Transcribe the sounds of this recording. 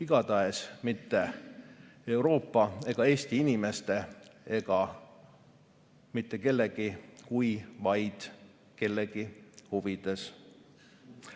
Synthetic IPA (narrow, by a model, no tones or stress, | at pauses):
iɡ̥ɑd̪ɑesmit̪ːe̞ | e̞wɾo̞ːpːɑe̞ɡ̥ɑe̞ːst̪iinime̞st̪e̞e̞ɡ̥ɑ | mit̪ːe̞ke̞lːe̞ɡ̥ikujvɑjd̪̥ | ke̞lːeɡ̥ihuvid̪̥e̞s